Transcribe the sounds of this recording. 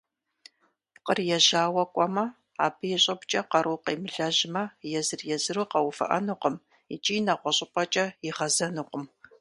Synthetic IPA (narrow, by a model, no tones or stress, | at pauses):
qərjɛʑaːwɐkʷʼɔmɐ | a̰ːbɨjɛɕʼɐpt͡ʃʼɐqɐɾuːqḛːmɨɮɐʑɪmɐjɛzɨrjɛzɨruːqɐwʊfɐ̰ʔɐ̰nuqəm | it͡ʃʼiːnɐʁʷɔɕʼɪpʼɐt͡ʃʼɐjɪʁɐzɐnuqʷəm